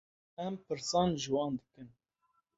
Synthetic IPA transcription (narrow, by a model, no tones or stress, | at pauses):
ɛmpɨɾsɑːnʒɨwɑːnd̪ɨkɨn